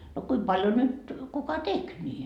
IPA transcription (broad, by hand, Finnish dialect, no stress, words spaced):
no kuim pɑljo nyt kukɑ tek nʲi